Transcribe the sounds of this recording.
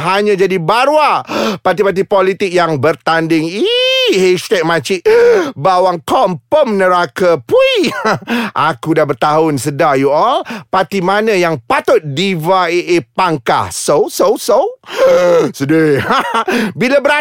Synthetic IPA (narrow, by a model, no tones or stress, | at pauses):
ɦaɲãd͡ʒadibaɾwapat̪̬ipat̪̬ipɔlit̪ɪk̚jaŋbərt̪andɪŋihɛst̪ɛk̚mãt͡ʃiʔbawaŋkɔmpəmnəɾakəpui | ʔakudabərt̪aʊnsədajuɔlpat̪imãnə̃jaŋpat̪ʊt̪̚divaeʔepaŋka̰hsowsowsow | səde | bilabəɾa